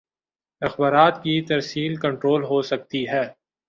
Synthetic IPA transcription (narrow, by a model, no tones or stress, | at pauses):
ɐxbaːɾaːt̪kit̪ɐɾsiːlkɐ̃ɳʈɾoːlɦosɐk̚t̪iɦɛː